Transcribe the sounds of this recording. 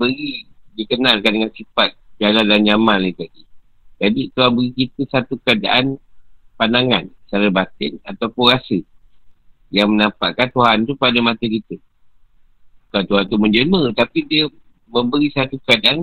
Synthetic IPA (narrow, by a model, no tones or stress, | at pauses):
bəɾidikənalkandəŋansipat̪̚d͡ʒalanlanɲamalnit̪adi | d͡ʒadit̪uɦanbəɾikit̪əsat̪ukəada̰ʔanpandaŋant͡ʃaɾəbat̪ɪnat̪awpʊnɾasə | jaŋmənãpa̰ʔkant̪uɦant̪upadəmat̪əkit̪ə | bukant̪uɦant̪umənd͡ʒəmət̪apidiə | mə̃mbəɾisat̪ukəadaʔan